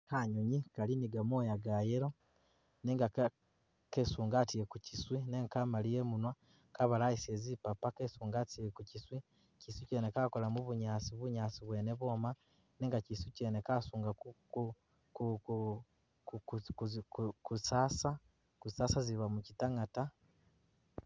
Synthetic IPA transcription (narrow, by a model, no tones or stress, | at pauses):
kaɲoɲikaliniɡamoːjaɡajeɾo | neːŋɡak | kesuːŋɡatiekuciswineŋkamalijemunwa | kaβalaisiezipapakesuːŋɡatiekuciswi | ciswiceːnekakolamuβuɲaːt͡siβuɲaːt͡siβweːneβo̞ma | neːŋɡaciswiceːnekasuːŋɡa | ku | kkusaːsa | kusaːsaziβamucitaŋata